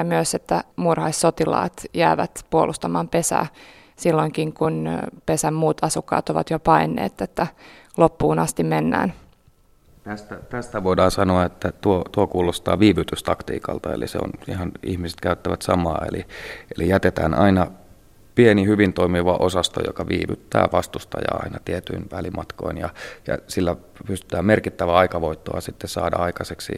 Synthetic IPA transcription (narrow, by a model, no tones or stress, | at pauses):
ɑmyøset̪ːæmurhɑisːot̪ilɑ̰ːt̪jæːʋæ̰t̪puolʔust̪ɑmɑːmpesæ̰ː | silːoŋkiŋkunpesæmmuːt̪ɑsukːɑ̰ːt̪oʋɑ̰t̪jopɑinːḛːt̪ːet̪ːælopːuːnɑst̪imenːæ̰ːn | t̪æst̪æt̪æst̪æʋoidɑːnsɑnoɑet̪ːæt̪uot̪uokuːlost̪ɑ̰ːʋiːʋyt̪yst̪ɑkt̪ḭːkɑ̰lt̪ɑḛlḭsḛo̰nihɑnihmise̥t̪kæyt̪ːæʋæt̪sɑmɑ̰ːḛliʔelijæt̪et̪æːnʔɑinɑ | pienihyʋint̪oimiʋɑʔosɑst̪o̰jo̰kɑʋiːʋyt̪ːæ̰ːʋɑst̪ust̪ɑjɑ̰ːɑ̰inɑt̪iɛt̪yinʋælimɑt̪ko̞̰injɑjɑ̰silːæ | pyst̪y̥t̪æːmmerkit̪ːæʋæɑikɑʋoit̪ːo̰ɑ̰sit̪ːessɑ̰ːdɑ̰ɑikɑseksḭ